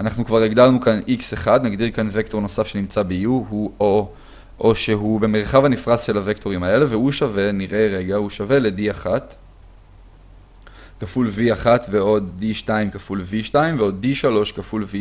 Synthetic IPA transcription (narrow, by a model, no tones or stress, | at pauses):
anaχnukvaʁeɡdaʁnukanikseχad̪naɡdiʁkanve̞kto̞ʁno̞safʃe̞nimt͡sabejuɦuo | ʔoʃeɦube̞me̞ʁχavanifʁasʃe̞lavekto̞imae̞le̞ve̞huʃave̞niʁʔe̞ʁe̞ɡahuʃave̞le̞diaχat | kafulviaχatveo̞d̪ːiʃtaimkafulviʃtaimveo̞d̚ːiʃalo̞ʃkafulvi